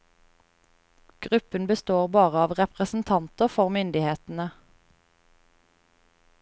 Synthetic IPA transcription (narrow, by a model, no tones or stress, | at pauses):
ɡ̥ʁʉpənbəst̪oːʁbɑːʁəɑːʋʁɛpʁəsn̩t̪ʰɑnt̪əʁfɔʁmʏnd̪ɪheːt̪n̩ə